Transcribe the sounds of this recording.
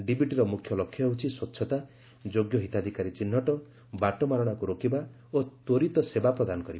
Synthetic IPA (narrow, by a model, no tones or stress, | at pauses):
ɖibiʈiɾɔmukʰjɔlɔkʰjɔɦewt͡ʃʰiswɔtːʃʰɔt̪a | d͡ʒoɡjɔɦit̪ad̪ʱikaɾit͡ʃin̤ːɔʈɔ | baʈɔmaɾɔɽ̃akuɾokʰiba | ot̪oɾit̪ɔsebapɾɔd̪anɔkɔɾiba